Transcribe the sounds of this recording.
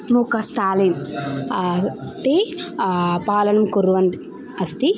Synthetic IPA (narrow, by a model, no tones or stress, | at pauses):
mukɐst̪ʰaːlin | t̪e | paːlɐnɐmkuɾʋɐnd̪i | ɐst̪i